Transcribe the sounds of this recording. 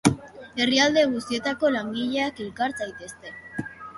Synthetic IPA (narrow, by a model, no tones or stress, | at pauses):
e̞riald̪e̞ɣ̞ust̪ie̞t̪ako̞laŋɡiʎe̞ake̞lkaɾt͡sajt̪e̞st̪e̞